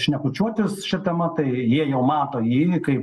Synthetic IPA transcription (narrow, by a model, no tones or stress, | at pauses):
ʃʲnʲɛkʊt͡ʃʲuɔt̪ʲɪsʃʲɪt̪ɛmɐt̪ɐɪjiɛjɛʊmɑːt̪oːjiːkɐɪp